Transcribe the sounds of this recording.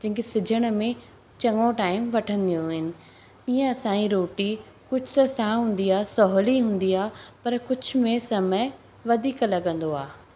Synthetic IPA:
d͡ʑɐ̃ɦɪ̃kesɪd͡ʑʱəɽ̃ə̆mẽ | t͡ɕɐ̃ŋõʈaːɪmʋɐʈʰə̃nd̪ijũɦɪnɪ̆ | iːə̃ɐsãːĩɾoːʈi | kʊd͡ʑʱʊt̪ɐsãɦũːn̆d̪iaːɦsɔɦliɦũːn̆d̪iaːpɐɾkʊd͡ʑʱʊ̆mẽsɐmə | ʋɐd̪ʱiːklɐɡə̃nd̪oaː

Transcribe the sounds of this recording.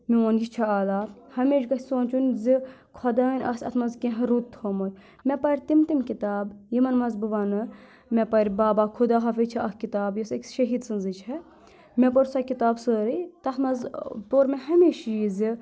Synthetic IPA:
mioːnjit͡ʃʰɐaːlaːhɐmeːʃɡɐsoːnʲt͡ʃʰunʲzi | kʰɔd̪ɐːnʲʔɐ̰sʲɐ̰t̪ʰmɐzkʲẽɦɾut̪ːʰhoːmotʲ | mʲɛpɐɾʲt̪imt̪imkit̪aːbjimɐnmɐzbɨʋɐnɨ | mʲɛpɐɾʲbaːbaːkʰud̪aːɦɐfet͡ʃʰiɐkkit̪aːbjosɐkʃɐɦiːd̪sɨnzɨt͡ʃʰɐ | mɛpɐɾʲsɐkit̪aːbsəːɾit̪ɐt̪ʰmɐzt̪oːɾʲmeɦɐmeːʃjizi

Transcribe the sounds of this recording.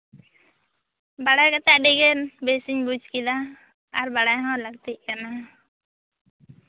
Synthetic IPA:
baɽajkat̪aʔɖiɡɛnbesiɲbud͡ʒkid̪a | aɾbaɽajɦãwlaɡ̚t̪iʔ̚kana

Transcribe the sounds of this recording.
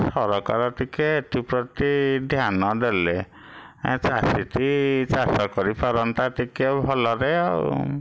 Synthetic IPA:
sɔɾɔka̰ɾɔt̪ikeːt̪ipɾɔt̪id̪ʱjanɔd̪ele | t͡ʃasit̪it͡ʃasɔkɔɾipʰaɾɔnt̪at̪ikebʱɔlɔɾe

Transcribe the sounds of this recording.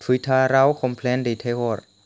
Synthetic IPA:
t̪ʰut̪ʰaːɾawkʰɔmpʰlɛndet̪ʰewɔr

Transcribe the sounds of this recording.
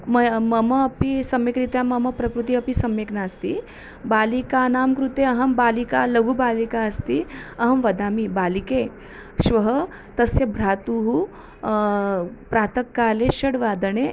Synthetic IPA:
mɐmɐmɐːpisɐmjekɾit̪jamɐmɐpɾɐkɾut̪̬iɐpisɐmjeknast̪ḭ | baːlikanaːmkɾut̪eɐɦɐmbaːlikalɐɡʱubaːlikaəst̪iɐɦɐmʋɐd̪aːmibaːlike | ɕʋɐɦə | t̪ɐsjebʱɾaːt̪uɦu | pɾat̪əkːaːleɕɐɽʋaːd̪əɳe

